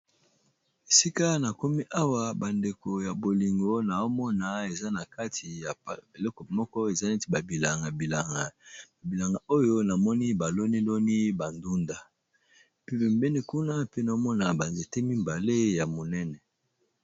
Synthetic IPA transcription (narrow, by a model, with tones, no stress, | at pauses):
e˨si˦ka˦na˨ko˦mi˦ʔa˦wa˦ba˨nde˨ko˨ja˨bo˨li˨ŋɡo˦na˨o˦mɔ˦na˨e˨za˦na˨ka˦tʰi˨ja˨pbe˨lɔ˦ko˨mɔ˦kɔ˦e˨za˦ne˦ti˨ba˨bi˨la˨ŋɡa˨bi˨la˨ŋɡa˨a˨bi˨la˨ŋɡa˨o˦jo˦na˨mɔ˦ni˦ba˨lo˦ni˦lo˦ni˦ba˨ndu˦nda˨ | pe˦be˨mbe˦ni˦ku˦na˦pe˦na˨o˦mɔ˦na˨ba˨nze˨te˦mi˦mba˨le˦ja˨mo˨nɛ˦nɛ˨